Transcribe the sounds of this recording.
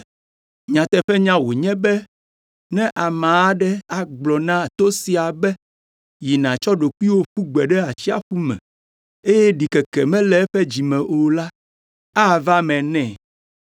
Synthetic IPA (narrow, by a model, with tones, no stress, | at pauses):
ɲã˨t̪ɛ˨ɸɛ˦ɲã˦wo˨ɲɛ̃˦bɛ˦ | nɛ̃˦ʔa˨mã˨a˦ɖɛ˦a˨ɡ͡blɔ˨nã˦˨t̪o˦si˦a˨bɛ˦ | ji˨nã˨t͡ʃɔ˦ɖo˨ku˦i˦wo˦ɸu˦ɡ͡bɛ˨ɖɛ˦a˨t͡ɕi˦a̰˦ɸu˦mɛ̰̃˨ | e˦jɛ˦ɖi˨kɛ˨kɛ˨mɛ̃˦lɛ˨˦ɛ˦ɸɛ˦d͡ʑi˨mɛ̃˨ʔo˨la˦ | a˦˨va˦mɛ̃˨nɛ̃˨